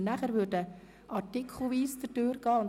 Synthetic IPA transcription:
næχəɾʋʏɾdə | ʔɑtɪkʰχl̩ˠʋiːst͡səd̥øːɾɡ̥ɑːʊn

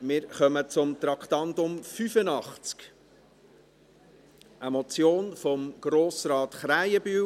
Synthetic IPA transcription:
mɪːɾχœmət͡sʊmt̪ɾɑkχt̪ɑndʊmfyfənɑχt͡sk | ʔəmɔt͡sjoːnfɔmɡ̥ɾoːsɾɑːt̪χɾajəby

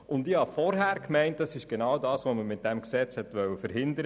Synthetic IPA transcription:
ʊndɪhɑfɔɾɦæːɾkmɛɪnt̚d̥ɑsɪʃɡ̥enɑwdɑːsʋoməmɪt̚d̥ɛmksɛt͡shɛtʋœwːəfəɾhɪndəɾə

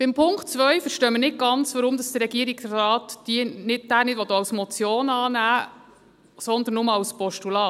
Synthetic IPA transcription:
b̥ɪmpʰʊŋktt͡svœɥfəɾʃtœːmənɪt̚ɡ̥ɑnt͡sʋəɾʊmd̪ɑsd̥̪ərɛɡ̥iəɾiɡsɑːt̪d̥iənɪt̚d̥æːnɪdvʋɔd̪oːɑwsmɔt͡sjoːnɑːnæː | sɔnd̪ənːʊmɑwspɔʃtulɑː

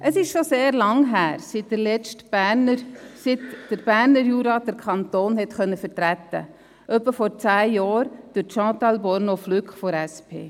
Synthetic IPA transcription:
ʔəsɪʃʃoseːɾlɑŋɦæːɾsitdəlɛt͡ʃt | sitd̥əɾb̥æːɾnəɾjuːɾɑd̥əɾkʰɑnt̪oːnhɛt̪χœnːəfəɾtɾæt̪ːə̰ | ʔœpːəfɔɾt͡sæːjɑːɾd̥əʃɑ̃ːt̪ɑlbɔɾnoflykχfɔɾæspʰḛː

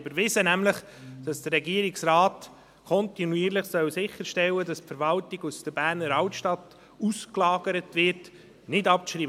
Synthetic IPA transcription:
bəɾvɪsənæmləχ | d̥ɑsd̥ərɾɛɡiəɾɪksraːt | kʰɔntinuiːəɾləχsœwsɪχːəɾʃtɛwədɑspfɛɾvɑltɪɡusd̥əbæːɾnəɾɑwtʃtɑt | usklɑːɡəɾətʋɪɾt | nɪdɑp̚tʃɾiː

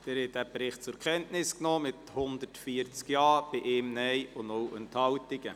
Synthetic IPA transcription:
d̥ɛːɾhɛt̚dæbɾɪχt̚t͡sʊɾkʰɛntnɪsknɔːmɪthʊndətfiəɾt͡skjɑːb̥ɪʔeːmnɛjʊndowʔɛnthɑltɪɡə

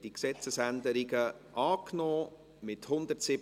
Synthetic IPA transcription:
d̥iksɛt͡səsænd̪əɾiɡəʔɑːknɔː | mɪthʊnd̪ətsɪb

